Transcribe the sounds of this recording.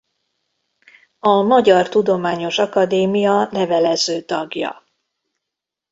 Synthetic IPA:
ɒmɒɟɒrt̪ud̪o̞maːɲo̞ʃɒkɒd̪eːmijɒnɛvɛlɛzøːt̪ɒɡjɒ̰

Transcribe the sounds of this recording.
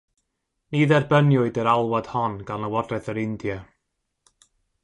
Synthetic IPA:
niðɛrbənjʊɨdəɾalˠwad̥hɔnɡ̥anəwɔdrɛθəɾɪndja

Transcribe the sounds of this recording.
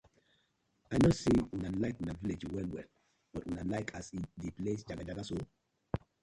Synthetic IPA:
aɪnosewĩnalaɪkwĩnaviled͡ʒwɛlwɛ̰l | b̥ɔtwĩnalaɪkʰasidiplesd͡ʒaɡad͡ʒaɡaso

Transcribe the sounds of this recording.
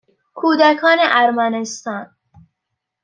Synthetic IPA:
kʰuːd̪ækʰɒːneʔæɾmænest̪ɑːn

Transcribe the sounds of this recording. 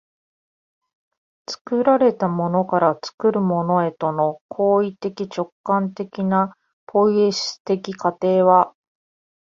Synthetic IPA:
t͡sɨ̥kɯ̟ɾaɾe̞t̪amo̞no̞kaɾat͡sɨ̥kɯ̟ɾɯ̟mo̞no̞e̞t̪o̞no̞kʰo̞ːit̪e̞kʲit͡ɕo̞kːãnt̪e̞kʲina | pʰo̞ie̞ɕɨ̥t̪e̞kʲikat̪e̞ːβa

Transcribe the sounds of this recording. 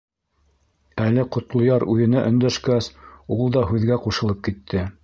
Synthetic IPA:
ælɘqŏt̪lˠŏjɑɾʉjɘ̆næʔɵ̆nd̪æʃkæsulˠd̪ɑɦʉðɡæquʃɤ̆lˠɤp̚kit̪ʰːɘ

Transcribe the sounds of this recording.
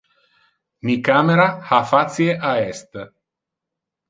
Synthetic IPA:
mikameɾahafat̪sjeʔaɛst̪

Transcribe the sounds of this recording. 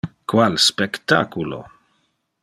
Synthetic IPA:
kwalspekt̪a̰kulo̰

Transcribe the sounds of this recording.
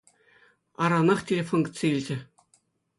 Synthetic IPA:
ɑɾɑnɑχtʲelʲefonɡ̪̆ʲt͡sʲeilʲd͡ʑɘ̆

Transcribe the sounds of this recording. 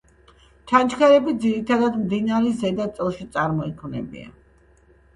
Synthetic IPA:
t͡ʃʰant͡ʃʰkʰɛɾɛbid̪ziɾit̪ʰad̪ad̪md̪inaɾɛzɛd̪at̪sʼɛlˠʃit̪sʼaɾmɔikʰmnɛ̰bḭa̰

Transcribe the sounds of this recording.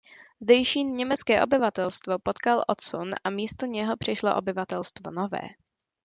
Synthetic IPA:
zdɛjʃiːnɲɛmɛt͡skɛːʔo̞bɪvat̪ɛlst̪vo̞pot̪kalʔot̪sunʔamiːst̪oɲɛɦo̞pr̝̥ɪʃloʔobɪvat̪ɛlst̪vonovɛ̰ː

